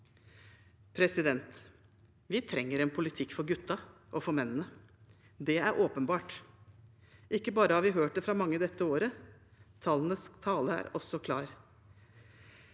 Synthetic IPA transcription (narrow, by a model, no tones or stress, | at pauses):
pʰɾɛsɪd̪ɛnt̪ | ʋɪt̪ʰɾɛŋːəɾɛnpʰʊlɪt̪ʰɪkːfɔɾɡʉt̪ːɑʔɔfɔɾmɛnːənə | d̪ɛæɾʔoːpənbɑːʈ | ʔɪkːəbɑːɾəhɑɾʋɪɦøːʈ̚d̪ɛfɾɑːmɑŋːəd̪ɛt̪ːəoːɾət̪ʰɑːlənəst̪ʰɑːləæ̰ːɾɔsɔkʰlɑ̰ːɾ